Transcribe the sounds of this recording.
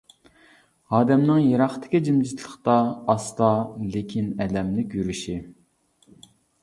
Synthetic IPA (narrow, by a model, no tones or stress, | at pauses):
ɑːd̪ɛmnɪŋjeɾɑχt̪ʰɪ̥kʲid͡ʒimd͡ʒit̪ʰlˠəχt̪ɑːst̪ɑlekʲʰinɛlɛmlɪkʲyɾyʃi